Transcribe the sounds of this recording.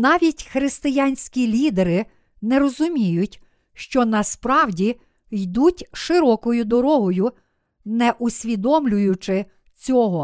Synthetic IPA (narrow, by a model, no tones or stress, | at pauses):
nɑʋʲitʲxɾɪst̪ɪjanʲsʲkʲilʲid̪eɾɪ | nɛɾɔzʊmʲijʊtʲ | ʃt͡ʃɔnɐspɾɑwdʲi | jd̪utʲʃɪɾɔkɔjʊd̪ɔɾɔɦɔjʊ | nɛʔʊsʲʋʲid̪ɔmlʲʊjʊt͡ʃɪ | t͡sʲɔɦɔ